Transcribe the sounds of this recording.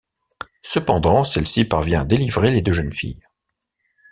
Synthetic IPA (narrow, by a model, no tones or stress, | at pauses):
səpɑ̃d̪ɑ̃sɛlsipaʁvjɛ̃ad̪elivʁeled̪øʒənfḭj